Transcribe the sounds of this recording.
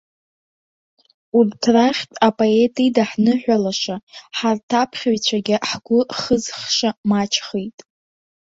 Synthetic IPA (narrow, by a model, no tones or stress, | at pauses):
urtʰraχʲtʼapʼoe̞tʰʼidaħnɨħʷᶣalaʂaħartʰapʰχʲaɥt͡ɕʷʰaɡʲɪħɡʷʊχəzχʃamat͡ʃʰχejtʼ